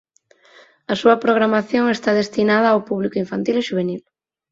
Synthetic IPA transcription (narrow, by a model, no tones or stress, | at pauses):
ɐsuɐpɾoɣ̞ɾamaθjoŋest̪að̞est̪inað̞ɐːwpuβ̞likoʊiɱfant̪ileʃuβ̞enil